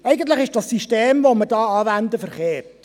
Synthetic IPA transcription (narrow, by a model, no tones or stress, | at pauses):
ɛjɡən̩t̪ləχɪʃd̥ɑssiʃteːmvoməɾdɑːɑːvændəfəɾχeːrt